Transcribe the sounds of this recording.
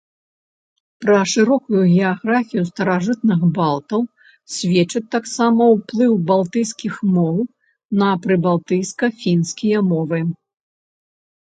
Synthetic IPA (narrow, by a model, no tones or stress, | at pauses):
pɾɐʂɨɾɔkujuɣʲɛaɣɾafʲijust̪ɐɾaʐɨt̪nɨxbalˠt̪ɐw | sʲvʲɛt͡ʂɨt̪ːaksamɐwplˠɨwbalˠt̪ɨjskʲixmɔw | nɐpɾɨbalˠt̪ɨjskɐfʲinskʲijɐmɔvɨ